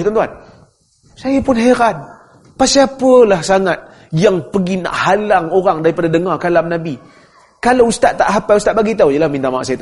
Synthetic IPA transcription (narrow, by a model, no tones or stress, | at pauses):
t̪ant̪uan | sajəpʊnɦeɾan | pasiapəlahsaŋat̪̚ | jaŋpəɡina̰ʔhalaŋoɾaŋdaɾipadadəŋɔrkalamnabi | kalaust̪aʔt̪a̰ʔɦapaust̪aʔbaɡit̪awjalahmint̪amaa̰ʔsajat̪